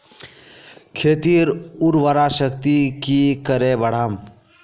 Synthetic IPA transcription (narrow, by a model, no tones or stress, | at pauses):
kʰeːt̪iɾuɾʋəɾaʃəkt̪ikikəɾebəɽ̤aːm